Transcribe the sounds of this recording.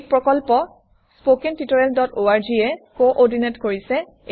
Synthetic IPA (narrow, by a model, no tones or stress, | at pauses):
pɹɔkɔlpɔ | spokɛntitoɹɛldɔtoaɹd͡ʒiɛkoʔɔɹdinetkoɹisɛ